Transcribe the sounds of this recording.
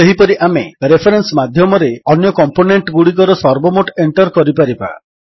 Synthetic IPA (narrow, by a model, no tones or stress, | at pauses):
eɦipɔɾiʔameɾepʰeɾensmad̪ʱjɔmɔɾeɔnjɔkɔmponeɳʈɡuɽik̬ɔɾɔsɔɾbɔmoʈeɳʈɔɾkɔɾipaɾiba̰